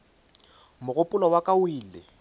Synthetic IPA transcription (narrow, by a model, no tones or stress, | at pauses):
mʊɣʊpʼʊlɔwakʼawiːlɪ